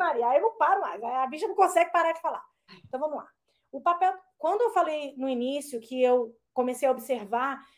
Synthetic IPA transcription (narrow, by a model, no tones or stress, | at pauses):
maɾiɐaewnɐ̃w̃paɾʊmajzaabiʃɐnɐ̃w̃kõsɛɡɪpaɾad͡ʒɪfala̰ | ẽt̪ɐ̃w̃vɐ̃mʊla̰ | ʊpapɛwkwɐ̃nd̪ʊewfalejnʊinisjʊkʰɪew | kõmesejaobiseɾva